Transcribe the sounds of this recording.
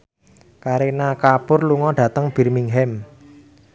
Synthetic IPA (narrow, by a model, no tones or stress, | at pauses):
kaɾinakapʊrluŋɔɖ̥a̤t̪əŋb̥i̤rmiŋɦɛm